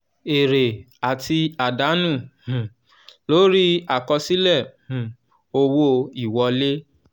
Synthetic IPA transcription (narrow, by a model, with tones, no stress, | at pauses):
e˨ɾe˨ | a˨ti˧a˨da˨˦nũ˦˨hũ˨ | lo˦ɾi˦a˨kɔ˧si˦lɛ˦˨hũ˨ | o˧wo˧i˦˨wɔ˧˦le˦